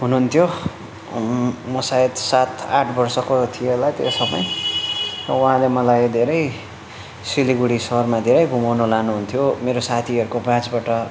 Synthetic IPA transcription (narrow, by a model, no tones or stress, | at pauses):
ɦunuɦunt̪ʰjo | mʌsaet̪sat̪ʰa̰ʈʰbʌrsʌkot̪ʰielajt̪ḛsʌmʌ̰j | rʌ̰ũɦãlemʌlajd̪ʱeɾʌj | siliɡuɽisʌɦʌrmad̪ʱeɾʌjbʱumawnolanuɦunt̪ʰjomeɾosat̪ʰiɦʌɾukobjãt͡sbaʈʌ